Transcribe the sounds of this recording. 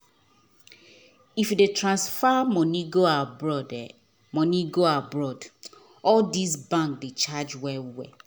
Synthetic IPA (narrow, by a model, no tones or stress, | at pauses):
ifjudetʰɹãnsfamɔ̃niɡoabɹɔdɛ | mɔ̃niɡoabɹɔd | ɔldis̬bãŋkdet͡ʃad͡ʒwɛlwɛ